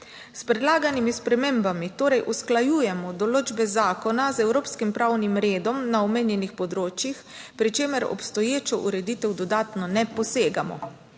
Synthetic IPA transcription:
spɾɛd̪laːɡanimispɾɛmeːmbamit̪oːɾɛjʔusklajuːjɛmɔd̪ɔloːd͡ʒbɛzaːkɔnazɛwɾoːpskimpɾawnimɾeːd̪ɔmnaɔmeːnjɛnixpɔd̪ɾoːt͡ʃjixpɾit͡ʃeːmɛɾɔ̰pst̪ɔjeːt͡ʃɔʔṵɾɛd̪iːt̪ɛwd̪ɔd̪aːt̪nɔnɛpɔseːɡamɔ̰

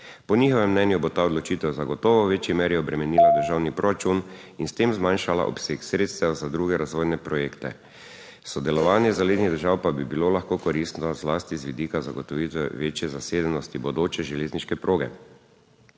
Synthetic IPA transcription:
pɔniːxɔʋɛmːnɛnjubot̪aːɔd̪lɔt͡ʃiːt̪ɛwzaɡɔt̪ɔːʋɔʋeːt͡ʃjimeːɾjɛɔbɾɛmɛniːlad̪əɾʒawnipɾɔɾat͡ʃun | inst̪eːmzmaːnʃala̰ʔɔ̰pseːksɾeːt̪st̪ɛwzad̪ɾuːɡɛɾazʋoːjnɛpɾɔjeːkt̪ɛ̰ | sɔd̪ɛlɔʋaːnjɛzaled̪niɣd̪əɾʒawpabibilolaxkoːkɔɾist̪nɔzlaːst̪izʋid̪ikazaɡɔt̪ɔʋiːt̪ʋɛʋeːt͡ʃjɛzaseːd̪ɛnɔst̪ibod̪oːt͡ʃɛʒɛleːzniʃkɛpɾʔoːɡɛ̰

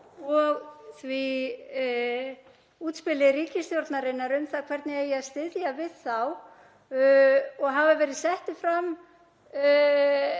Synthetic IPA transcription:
ɔɣθvi | uːt̪spɪlɪɾiːcɪsθjowɾt̪naɾɪnːaɾʏmθaðkʰv̥ɛɾt̪nɪɛjɛaðst̪ɪðjavɪðθaw | ɔɣɦavavɛːɾɪðsɛht̪ɪfɾam

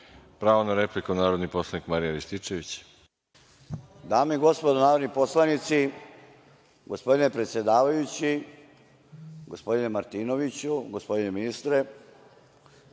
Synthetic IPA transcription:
pɾaːʋonaɾeplikunaːɾod̪nipo̞slˠanikmaɾijaɾist̪it͡ʃeʋit͡ɕ | d̪aːmiɡo̞spo̞d̪onaːɾod̪nipo̞slˠanit̪si | ɡo̞spo̞d̪ine̞pɾe̞t̪sje̞d̪aːʋajut͡ɕi | ɡo̞spo̞d̪inemaɾt̪iːno̞ʋit͡ɕuɡo̞spo̞d̪ine̞minist̪ɾe

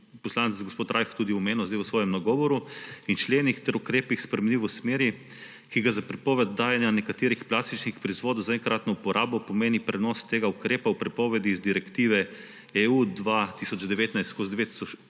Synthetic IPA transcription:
pɔslaːnɛzɡospoːt̪ɾʔajxt̪uːd̪iɔmeːnɔzd̪ajwəsʋɔːjɛmnaɡɔʋɔɾuint͡ʃleːnixt̪ɛɾukɾeːpixspɾɛmɛnlʲiʋɔsmeːɾi | kiɡazapɾɛpɔːʋɛd̪d̪ːaːjɛnjanɛkat̪eːɾixplaːst̪it͡ʃnixpɾɔizʋoːd̪ɐwzaɛŋkɾaːt̪nɔupɔɾʔaːbɔpɔmeːnipɾɛnɔst̪eːɡaukɾeːpawpɾɛpɔːʋɛd̪iːzd̪iɾɛkt̪iːʋɛ | ɛuːd̪ʋat̪isɔd͡ʒd̪ɛʋeːt̪najst̪kozd̪ʋeːt̪i̥sɔt͡ʃ

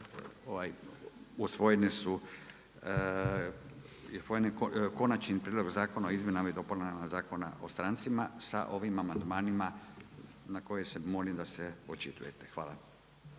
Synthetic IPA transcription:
oʋajusʋo̞jenesu | usʋojenekko̞nat͡ʃnipɾiːd̪lo̞ɡzaːko̞naoizmjenamaid̪o̞polenamazaːko̞na̰ʔo̞st̪ɾant̪simasa̰ʔo̞ʋimamand̪maːnima | nako̞jesemo̞limd̪aseot͡ʃit̪ṵjet̪e̥xʋa̰ːla̰

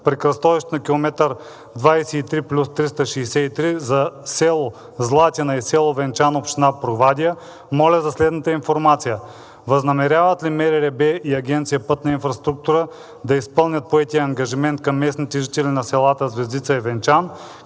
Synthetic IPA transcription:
pɾikɾɐst̪ɔvɛʃt̪nɐkʲilˠomɛt̪əɾ | d̪vajsɛit̪ɾiplʲust̪ɾist̪əʃɛːsɛit̪ɾizɐsɛlˠo | zlˠat̪ʲɛnɐisɛlˠovɛnt͡ʃanopʃt̪inapɾovad̪ijə | mɔlʲɐzɐslɛd̪nət̪əinfoɾmat̪sijə | vɐznɐmɛɾʲjavət̪limɛɾiɾɛbɛiɐɡʲɛnt̪sijəpɤt̪nɐinfɾɐst̪ɾuk̚t̪uɾə | d̪ɐispɤlˠnʲɐt̪̚poɛt̪ijəɐŋɡɐʒimɛnt̪̚kɐmːɛsnit̪ɛʒit̪ɛlinɐsɛlˠat̪əzvɛzd̪it̪səɛvɛnt͡ʃan

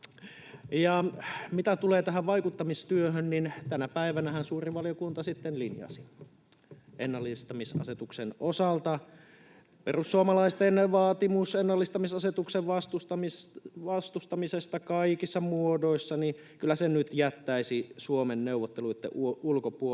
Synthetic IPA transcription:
jɑmit̪æt̪uleːt̪æɦæʋʋɑikut̪ːɑmist̪yøɦønnint̪ænæpæiʋænæhænsuːriʋʋɑlijokunt̪ɑsit̪ːenlinjɑ̰si̥ | ʔḛnːɑlːist̪ɑmisɑ̰set̪uksenosɑlt̪ɑ | pḛrusːuomɑlɑist̪enːeʋʋɑːt̪imusenːɑlːist̪ɑmisɑset̪ukseʋʋɑst̪ust̪ɑmiʋɑst̪ust̪ɑmisest̪ɑkɑikisːɑmuodoisːɑni | kylːæsennyt̪jæt̪ːæisisuomenneuʋːˑot̪ːeluit̪ːḛʔuulkopuo

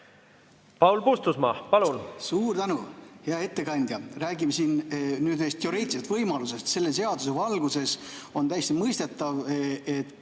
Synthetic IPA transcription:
pɑwlpust̪usmɑpɑlunsuːrt̪ænuheɑe̞t̪ːe̞kɑnʲd̪̥ʲjɑræːɡimesiːnnyːd̪nejst̪joɾeːt̪siɑt̪v̥ɤjmɑlus̬e̞st̪se̞lːe̞se̞ɑd̪use̞vɑlɡuse̞so̞nt̪æjest̪imɤjst̪e̞t̪ːˑɑvet̪ː

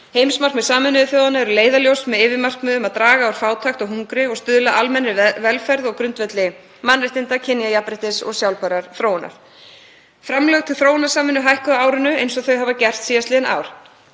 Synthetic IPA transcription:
hejmsmar̥kmɛðsaːmɪnːʏðɪθjoːwðanaɛɾʏleːjðaljowsmɛðɪːvɪmar̥kmʏːðʏmaðt̪ɾaːɣaːwɾ̥faːwt̪ʰaxt̪ɔɣɦuŋkɾɪɔɣst̪ʏðlaʔalmɛnɾɪvɛlfɛɾðɔɣkɾʏnt̪vɛt̪lɪ | manːrɪht̪ɪnt̪acʰɪnijajapɾɪht̪ɪsɔ̰ɣsjawlpaɾaɾ̥θɾoːwna̰ɾ̥ | fɾamlœɣt̪ʰɪlθɾoːwnḁsaːmɪnːʏɦajhkʏðaaːwɾʏnʏejnsɔθœɥɦaːvacɛr̥t̪siːast̪lɪðɪnʔa̰ːwɾ̥

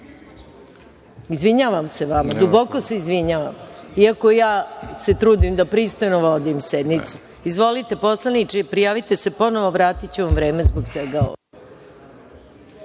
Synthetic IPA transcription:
izʋiɲaːʋamse̞ʋamad̪ubo̞koseizʋiɲaːʋa̰miakojaːse̞t̪ɾuːd̪imd̪apɾist̪o̞jno̞ʋo̞d̪imsed̪nit̪su | izʋo̞lit̪e̞po̞slˠanit͡ʃepɾijaːʋit̪e̞se̞po̞noʋo̞ʋɾaːt̪it͡ɕeʋamvɾe̞ːmezboɡsʋeɡao̰ʋo

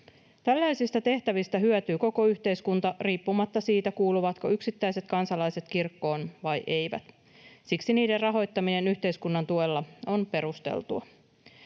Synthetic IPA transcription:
t̪ælːæjsist̪æt̪e̞ht̪æʋist̪æɦyøt̪yːko̞ko̞yçt̪e̞jskunt̪ɑriːpːumɑt̪ːɑsiːt̪ækuːluʋɑt̪ko̞yksit̪ːæjse̞t̪kɑnsɑlɑjse̞t̪kirkːo̞ːnʋɑjʔe̞jʋæ̰t̪ | siksiniːde̞rɑɦo̞jt̪ːɑmine̞nyçt̪e̞jskunːɑnt̪uelːɑo̞npe̞ɾust̪e̞̰lt̪uɑ

